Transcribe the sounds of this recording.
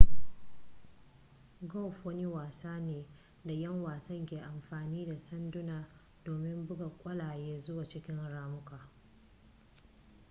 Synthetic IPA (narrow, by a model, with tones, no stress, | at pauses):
ɡɔ˦˨ɸwɐ˦ni˦waː˨saː˦neː˨ | da˨jɐ˦ŋwaː˨sɐ˦ŋkʲeː˨ʔa˨mɸaː˨niː˦da˨sɐ˦ndʊ˦naː˨ | d̥oː˨mɪ˦mbʊ˦ɡa˨kʷʼɐ˦laː˨jeː˦zʊ˦wa˨t͡ʃɪ˦kʲɪ˦nɽaː˦mʊ˦kʰaː˨